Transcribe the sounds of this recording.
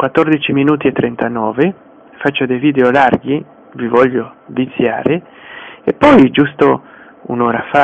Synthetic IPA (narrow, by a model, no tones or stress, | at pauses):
kwat̪ːɔrd̪it͡ʃiminuːt̪iɛt̪ːɾɛnt̪anɔːve | fat͡ʃːod̪ejviːd̪eolarɡi | vivɔʎːovit̪sːja̰ːɾɪ | epːɔjd͡ʒust̪o | ṵnɔːɾafa